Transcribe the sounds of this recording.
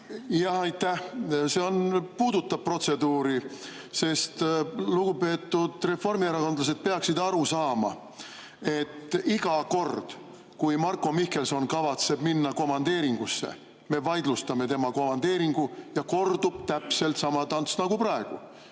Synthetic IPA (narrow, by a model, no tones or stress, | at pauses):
jɑhɑjt̪ːˑæhse̞o̞npuːd̪ut̪ːɑb̥̚pro̞t̪se̞d̪uːɾi | se̞st̪luɡ̥upe̞ːt̪ːˑud̪̥re̞fo̞rmieɾɑko̞nd̪lɑs̬e̞d̪̥̚pe̞ɑksid̪ɑɾusɑːmɑ̰ | e̞t̪ːiɡ̥ɑko̞rd̪̥ | kujmɑrko̞mihke̞lso̞nkɑvɑt̪se̞b̥minːɑko̞mɑnd̪̥e̞ːɾiŋɡ̥usːe̞̰ | me̞vɑjd̪lust̪ɑme̞t̪e̞mɑkomɑnd̪e̞ːɾiŋɡ̥ujɑko̞rd̪ub̥̚t̪æpse̞lt̪sɑmɑt̪ɑnsnɑɡ̥upɾɑe̞ɡ̥u